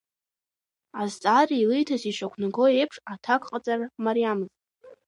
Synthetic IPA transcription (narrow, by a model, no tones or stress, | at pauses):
azt͡sʼariilɨjtʰaziʃakʷʰnɨɡo̞e̞jpʰʂatʰakʷʼqʼat͡sʼarmaɾijamɨz